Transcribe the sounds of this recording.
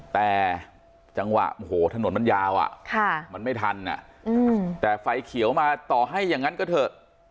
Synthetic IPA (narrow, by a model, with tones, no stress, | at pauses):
t̪ɛː˨˩ | t͡ɕa˧ŋwa̰˨˩ʔʔo˧˩hoː˨˩˦t̪ʰa˧no˩˦nma˧njaː˧wʔa̰˨˩ʔkʰa˥˩ma˧nma˥˩jt̪ʰa˧nːa̰˨˩ʔʔɯː˧t̪ɛː˨˩fa˨˩jkʰi˨˩˦əwmaː˧t̪ɔː˨˩ɦa˥˩jːaː˨˩ŋːa˦˥nkɔ˥˩t̪ʰɤː˨˩t̪̚